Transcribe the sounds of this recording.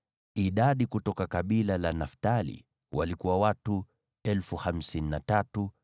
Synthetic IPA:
iɗaɗikutɔkakaɓilalanaftalḭ | walikuwawatu | ɛlfuham̩sininatatu

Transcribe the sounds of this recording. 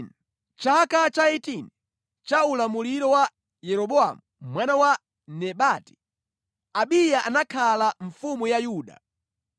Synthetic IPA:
n | t͡ʃakat͡ʃaɛtini | t͡ʃaulamuliɾɔwa | jɛɾɔɓɔa̰mumwanawa | nɛɓaːti̥ | aɓijaʔanakʰalaɱfumujajuːɗa̰

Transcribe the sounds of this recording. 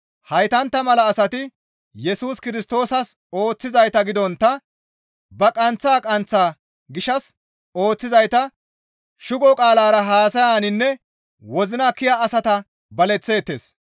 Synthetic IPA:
hɐjt̪ɐnt̪ːɐmɐlɐːsɐt̪ɪ | jɛsuːskɪɾɪst̪o̞ːsɐs | o̞ːt͡sːɪzɐjt̪ɐɡɪd̪ɔnt̪ːɐ | bɐkʼɐnt͡sːaːkʼɐnt͡sːaː | ɡɪʃɐs | o̞ːt͡sːɪzɐjt̪ɐ | ʃʊɡɔkʼaːlaːɾɐɦaːsɐjaːnɪnːɛ | wɔzɪnɐkːɪjaːsɐt̪ɐ | bɐlɛt͡sːe̞ːt̪ːḛːs

